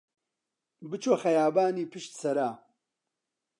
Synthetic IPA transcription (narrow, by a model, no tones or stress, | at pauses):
bɨt͡ʃʰoːxɐjaːbaːniːpʰɨʃt̪sɐɾaː